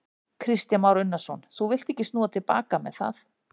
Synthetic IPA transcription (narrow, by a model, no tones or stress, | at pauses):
kʰɾɪst̪janmawɾʏnːasɔnθuvɪl̥t̪ehcɪst̪nuːðat̪ʰɪlpa̰ːkamɛ̰ðθa̰θ